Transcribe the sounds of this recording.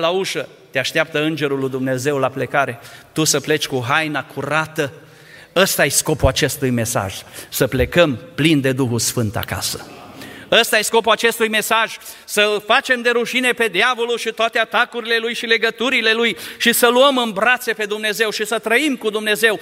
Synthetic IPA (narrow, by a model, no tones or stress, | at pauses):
lauʃə | t̪eaʃt̪eap̚t̪əɨnd͡ʒe̞ɾulujd̪umne̞ze̞wlaple̞kaɾe̞t̪usəple̞t͡ʃʲkuɦajnakʰuɾat̪ə | əst̪aajsko̞puat͡ʃe̞st̪ujme̞sa̰ʒ̥səple̞kəmplind̪e̞d̪uxusfɨnt̪a̰ka̰sə̥ | əst̪ajejsko̞puat͡ʃe̞st̪ujme̞saʒ̥ | səlfat͡ʃe̞md̪e̞ɾuʃine̞pe̞d̪javo̞lulʃit̪oat̪eat̪akuɾile̞lujʃile̞ɡət̪uɾile̞lujʃisəluəmɨnbɾat̪se̞pe̞d̪umne̞ze̞wʃisət̪ɾəimkud̪umne̞ze̞w